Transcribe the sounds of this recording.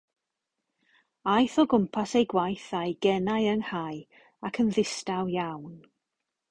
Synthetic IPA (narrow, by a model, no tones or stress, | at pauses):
ajθɔɡʊmpʰasejɡwajθajɡɛnajəŋhaj | akʰənðɪstawjawn